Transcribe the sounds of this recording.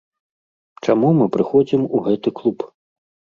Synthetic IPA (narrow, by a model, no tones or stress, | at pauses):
t͡ʂamumɨpɾɨxɔd͡zʲimuɣɛt̪ɨklˠup